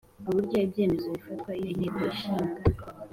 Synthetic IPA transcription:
uβuɾɟaibje̞ːme̞zo̞βifat̪kwaijon̥eːkoiʃiːŋɡa

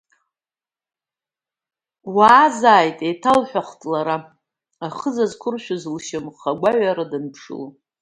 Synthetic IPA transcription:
waːzaːjtʼejtʰalħʷᶣaχʷtʼlaɾa | aχəzazkʷʰʊrʃᶣʊzɨlʃɪmχaɡʷaɥaɾadɨnpʰʂɨ̰l

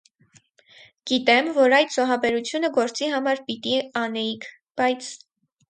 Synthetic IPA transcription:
ɡ̥it̪ɛmvɔɾɑjd̪z̥ɔɦɑbɛɾut͡sʰjunəɡɔɾt͡siɦɑmɑɾpit̪iɑnɛikʰ | b̥ɑjt͡sʰ

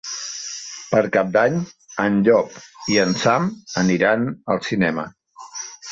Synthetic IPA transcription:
pəɾkap̚d̪aɲənʎɔpiənsaməniɾanəlˠsinɛmə̰

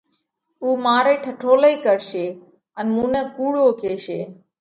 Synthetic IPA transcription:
uːmaːɾeːʈʰəʈʰoːləiːkəɾʃeː | ənmũːnɛ̃ːkuːɽoːkeːʃeː

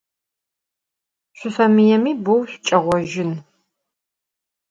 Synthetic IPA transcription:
ɕʷʊsɐmijɛmiːbowɕt͡ʃʼɐʁʷɔʒɪn

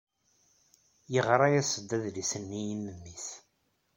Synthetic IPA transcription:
jəʁɾˤɑjæsəd̪ːæðlisənːijimːəmːiθ

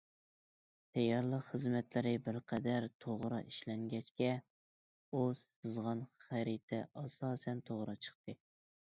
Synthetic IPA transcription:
t̪ʰɛjɑɾlˠəqχəzmɛt̪ʰlɪɾɪbɪɾqʰɛd̪æɾt̪ʰoʁɾɑ̰ʔiʃlɛŋɡʲɛt͡ʃkʲɛ | us | ɨzʁɑnχæɾit̪ʰɛ̰ʔɑsɑːsɛnt̪ʰoʁɾɑt͡ʃʰə̥χt̪ɨ

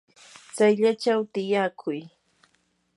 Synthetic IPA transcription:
t͡sajʎat͡ʃawt̪ɪjakʰʊj

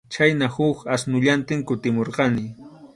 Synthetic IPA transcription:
t͡ʃajnahʊkasnʊʎant̪ɪŋkʊt̪ɪmoɾqɑnɪ

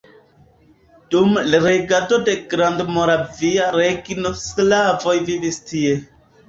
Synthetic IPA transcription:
d̥umlɾeɡado̞de̞ɡɾandmoɾaviaɾeɡinoslavo̞jvivistie̞

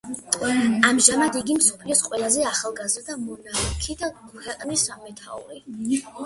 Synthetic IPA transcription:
amʒamad̪iɡimsɔpʰliɔsqʼwɛlˠazɛaχalˠɡazɾd̪amɔnaɛkʰid̪akʰwɛqʼnisamɛt̪ʰa̰ṵɾi

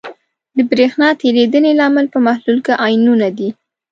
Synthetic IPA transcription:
d̪əbɾexnɑt̪eɾed̪ənelɑmɪlpəmahlulkaʔɑjnunad̪i

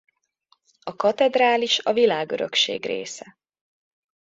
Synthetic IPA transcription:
ɒkɒt̪ɛd̪raːliʃɒvilaːɡøɾø̰kʃḛːɡrḛːsɛ

